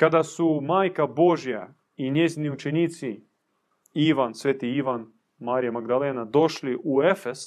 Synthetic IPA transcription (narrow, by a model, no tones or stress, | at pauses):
kad̪asumaːjkabo̞ʒja | iɲeziniut͡ʃeniːt̪si | iʋansʋeːt̪iiʋan | maːɾijamaɡd̪aleːnad̪o̞ʃliʔuefes